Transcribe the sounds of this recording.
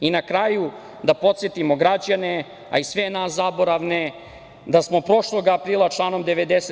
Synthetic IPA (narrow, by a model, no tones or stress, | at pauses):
inakɾaːju | d̪apo̞t̪sjet̪imo̞ɡɾad͡ʑane | a̰isʋenaszabo̞ɾaʋne | d̪asmo̞pɾo̞ʃlˠo̞ɡapɾiːlˠat͡ʂlˠaːnomd̪eʋed̪ese